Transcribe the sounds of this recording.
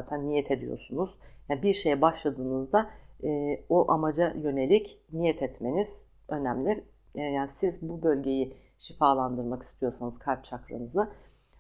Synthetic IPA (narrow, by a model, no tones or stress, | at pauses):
at̪ʰænːijɛt̪ʰe̞d̪ijo̞̰ɾsunuz̥jaːnbiɾʃe̞jɛbaʃlˠad̪ɯːnɯzd̪aɛːo̞ʔamad͡ʒajø̞ne̞lʲicnijɛt̪ʰɛt̪me̞niz̥ | ø̞næmlʲiɾ | jaːnisizbubø̞lʲɟe̞ji | ʃifaːlˠand̪ɯɾmaki̥st̪ʰijo̞ɾsanɯz̥kʰaɾt̚t͡ʃʰakɾa̰nɯzˠa